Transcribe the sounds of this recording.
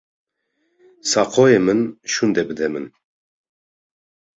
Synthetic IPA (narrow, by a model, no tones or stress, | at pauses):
sɑqʰɔjemɨnʃund̪ɛbɨd̪ɛmɨn